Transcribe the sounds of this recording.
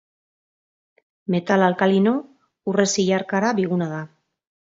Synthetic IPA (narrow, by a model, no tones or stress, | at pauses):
me̞t̪alalkalino̞ | ure̞siʎaɾkaɾaβiɣunað̞a